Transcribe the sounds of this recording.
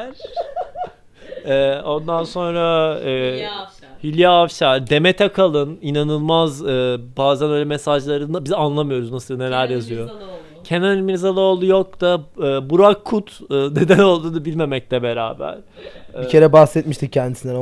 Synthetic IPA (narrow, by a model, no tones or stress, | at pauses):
ɛːo̞nd̪anso̞nɾa | hilʲijaːfʃaɾd̪e̞met̪ʰɛkʰalˠɯninanɯlˠmazɯbaːzænøjlʲɛmesaʒlˠaɾɯnɯbizanlˠamɯjo̞ɾuznasɯlˠne̞lʲæɾjazɯjo̞ | cʰe̞nɛnimiɾzalˠɯolˠujok̚d̪aɯːbuɾakʰːut̪ːne̞d̪æno̞lˠd̪uːnɯbilʲme̞mɛc̚lʲɛbe̞ɾa̰ːbæ̰ɾ̥ | bicʰe̞ɾɛbaxsɛt̪̚miʃt̪ʰic̚cːʰænd̪isind̪ɛn